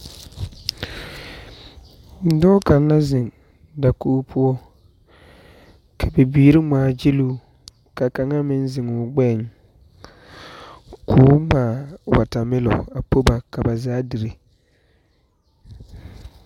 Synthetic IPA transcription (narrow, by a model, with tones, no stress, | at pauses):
n̩˨˦dɔː˦ka˨n˦a˦zɪ˨ŋ | da˨kuː˦pʰʊ˦ɔ˦ | kʰa˨bɛ˨biː˦ɾɪ˦maː˨d͡ʒɪ˦luː˦ | ka˨ka˨ŋa˦mɪ˦nzɪ˨ŋʊ˨ɡ͡bɛ˦˨ŋ | kʰoː˦maː˨wa̰˨ta˨mɪ˦lɔ̰˨a˨po˦ba˨ka˨ba˨zaː˦di˨ɾe˨